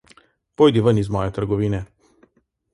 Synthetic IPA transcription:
pojd̪ivənizmɔjet̪əɾɡɔviːnɛ

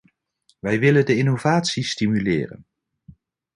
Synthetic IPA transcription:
ʋɛjʋɪləndəɪnovaːtsistimylɪ̰ːrə̰n

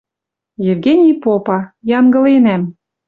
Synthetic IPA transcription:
jevɡenʲijpopɑjɑŋɡɤ̆lenæm

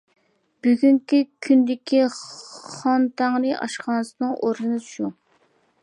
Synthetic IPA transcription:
b̥yɡʲyŋkʲykʲʰynd̪ɪkʲʰi | χɑnt̪ʰɑŋnɨʔɑ̰ʃqɑːnɨsɨnɨŋʔoɾnɨnɨʃu

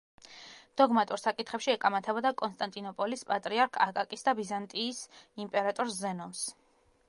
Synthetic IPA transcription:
d̪̥ɔɡmat̪ʼuɾsakʼit̪χɛpʃiɛkʼamat̪ʰɛbɔd̪akʼɔnst̪ʼant̪ʼinɔpʼɔlispʼat̪ʼɾiaɾkʰakʼakʼisd̪abizant̪ʼiːsimpʼɛɾat̪ʼɔɾszɛnɔms

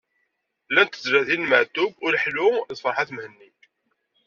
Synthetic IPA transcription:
lænt̪əzɾæθinməʕt̪ʊbʊɾħlʊðfɑɾˤħaθmhənːi

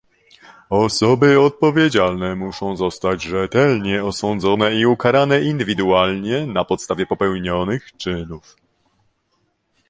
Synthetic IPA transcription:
ɔsɔbɘɔt̪̚pɔvʲjed͡ʑalnɛmuʂɔ̃w̃zɔst̪ad͡ʑʐɛt̪ɛlɲɛɔsɔnd̪zɔnɛiukaɾanɛind̪ɘvʲid̪ualɲɛnapɔt̪st̪avʲjɛpɔpɛwɲɔnɘxt͡ʂɘnuf

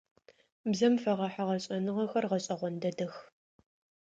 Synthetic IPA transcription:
bzɐmfɐʁɐħaʁɐɕʼɐnɨʁɐxɐrʁɐɕʼɐʁʷɔndɐdɐx

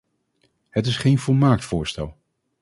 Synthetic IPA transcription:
ɦətɪsχejnvʊlˠmaːk̚tfʊːɹstɛ̰lˠ

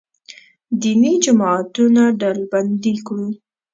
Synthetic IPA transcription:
d̪inid͡ʒamɑat̪unaɖalband̪ikɽu

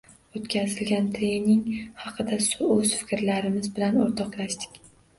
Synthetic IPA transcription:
ot̪kʲazɪlɡʲant̪ʰɪmnɪŋhɑqʰɨd̪asʊɵzfɪ̥kʲɾlaɾɪmɪzbɪlanoɾt̪ʰɒqlaʃd̪ɪ̥kʲ

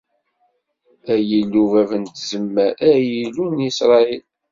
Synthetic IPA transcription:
æjilːuvævənt̪zəmːæɾæjilunisɾˤɑil

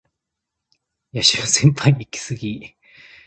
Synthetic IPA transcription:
jaɕimasẽ̞mpʰãɲʲikʲi̥sɨɡʲi

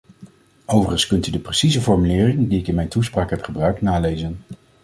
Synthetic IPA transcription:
owvərənskɵntydəprəsizəvɔɹmylɪːrɪŋdiɪkɪnmɛjntuspraːkɦɛpχəbrœɥknaːlejzən

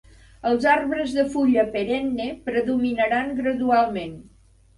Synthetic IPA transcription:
əlˠzarβɾəzðəfuʎəpəɾɛnːepɾəðuminəɾaŋɡɾəðualˠmen

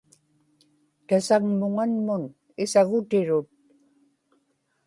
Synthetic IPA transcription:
t̪asaŋmʊŋanmʊn | ɪsaɣʊt̪ɪɻʊt̪̚

